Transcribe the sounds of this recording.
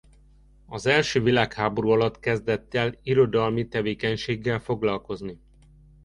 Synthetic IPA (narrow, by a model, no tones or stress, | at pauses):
ɒzɛlʃøːvilaːkhaːbo̞ɾuːɒlɒt̪kɛzd̪ɛt̪ːɛliɾo̞d̪ɒlmit̪ɛveːkɛɲʃeːɡːɛlfo̞ɡlɒlko̞zni